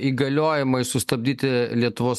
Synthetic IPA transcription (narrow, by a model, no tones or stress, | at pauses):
iːɡɐlʲoːjɪmɐɪsʊst̪ɐbʲd̪ʲiːt̪ʲɪlʲiɛt̪ʊʋoːs